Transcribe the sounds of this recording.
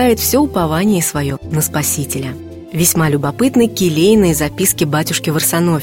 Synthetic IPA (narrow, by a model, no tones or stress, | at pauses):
ajɪt̪fsʲoʊpɐvanʲɪjəsvɐjonəspɐsʲitʲɪlʲə | vʲɪsʲmalʲʊbɐpɨt̪nɨjkʲɪlʲejnɨjəzɐpʲiskʲɪbatʲʊʂkʲɪvərsɐno̞